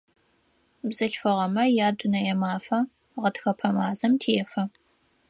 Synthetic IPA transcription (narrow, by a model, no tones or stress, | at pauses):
bzɐt͡ʃfɐʁɐmɐjaːdʷʼʊnɐjɛmaːfɐ | ʁɐtxɐpʰɐmaːzɐmtʰijɛfɐ